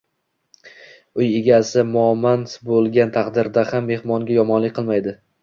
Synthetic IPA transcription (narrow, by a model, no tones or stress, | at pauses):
ʊjɪɡʲasɪmʊmansbolˠɡʲant̪ʰaqd̪ɪɾd̪ahamːe̞hmɒŋɡʲajɒmɒnlɪkʲqʰɨlˠmajd̪ɪ